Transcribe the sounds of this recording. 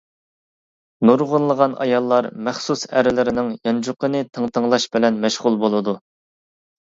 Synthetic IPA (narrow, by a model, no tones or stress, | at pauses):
nuɾʁʊnlːˠəʁɑnʔɑ̰jɑlˠːɑɾmæχsusæɾɪlɪɾɪnɪŋjɑnd͡ʒuqənɨt̪ʰəŋt̪ʰəŋlˠɑʃbɪlɛnmɛʃʁʊlˠbolˠɨd̪u